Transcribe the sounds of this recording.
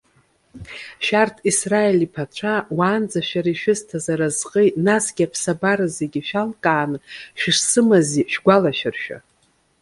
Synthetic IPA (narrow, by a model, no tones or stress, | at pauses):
ʃartʰisraelipʰat͡ʃʷʰawaːnd͡zaʃᶣaɾaʃᶣɪztʰazaɾazqʼejnasɡʲapʰsabaɾazeɡʲiʃᶣalkʼaːnɨʃɪʂsɨmaziʃᶣɡʷalaʃarʃᶣa̰